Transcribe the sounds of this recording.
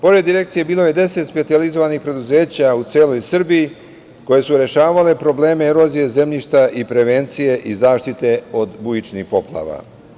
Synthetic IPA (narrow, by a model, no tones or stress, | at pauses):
po̞ɾed̪ːiɾe̞kt̪sije̞biːlˠo̞je̞d̪e̞se̞t̪spe̞t̪sializo̞ʋanixpɾe̞d̪uze̞ːt͡ɕaut̪se̞ːlo̞jsr̩biji | ko̞je̞suɾe̞ʃaːʋale̞pɾo̞ble̞ːme̞ɾo̞zije̞ze̞mʎiʃt̪aʔipɾe̞ʋe̞nt̪sije̞ʔizaːʃt̪it̪e̞o̞d̪bujit͡ʃnixpo̞plˠa̰ʋa̰